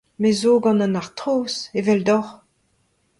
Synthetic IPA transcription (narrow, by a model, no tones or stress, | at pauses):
mezoːɡɑ̃nãnaʁt̪ʁoːsevɛldɔʁ